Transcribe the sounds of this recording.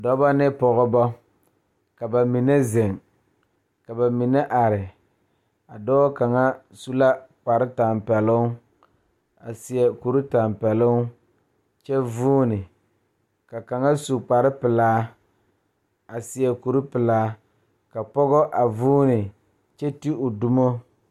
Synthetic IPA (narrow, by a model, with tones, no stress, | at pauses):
dɔ˦ba˦nɪ˦pɔ˨ɣɔ˦bɔ˦ | ka˨ba˨mi˨ne˦zɪ˨ŋ | ka˨ba˨mi˨ne˦ʔa˨ɾɪ˨ | a˨dɔ˦ka˨ŋa˦ | su˦la˦k͡pa˨ɾɪ˦ta˨mpɛ˨lʊ˦ | a̰˨sɪ˨ɛ˨ku˨ɾu˦ta˨mpɛ˨lʊ˦ŋ | t͡ʃɛ˦vuː˦nɪ˨ | ka˨ka˨ŋa˦su˨k͡pa˨ɾɪ˦pɪ˨laː˦ | a˨sɪ˨ɛ˨ku˨ɾu˦pɪ˨laː˦ | ka˨pɔ˦ɣɔ˦ʔa˨vuː˦nɪ˨ | t͡ʃɛ˦ti˦ʊ˨du˦mo˦